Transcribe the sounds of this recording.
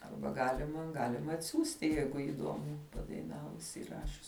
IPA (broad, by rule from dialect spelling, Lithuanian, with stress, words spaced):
ˈɐrbɐ ˈɡɑːlʲɪmɐ ˈɡɑːlʲɪm ɐtʲˈsʲuːsʲtʲɪ ˈjɛɪɡʊ iːˈduɔmʊ pɐdɐɪˈnɑːʋʊs iːˈrɑːʃʲʊs